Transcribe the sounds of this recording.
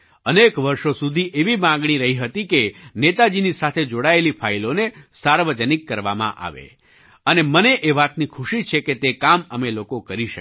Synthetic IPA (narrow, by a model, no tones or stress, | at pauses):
ənekʋəɾʃosud̪ʱiʔeʋimãŋɡɳ̃iɾəɦiɦət̪ikenet̪ad͡ʒinisat̪ʰed͡ʒoɽaelipʰailonesaɾʋəd͡ʒənikːəɾʋamã̰ʔa̰ʋḛ | əneməneʔeʋat̪nikʰuʃit͡ʃʰeket̪ekaməmelokokəɾiʃə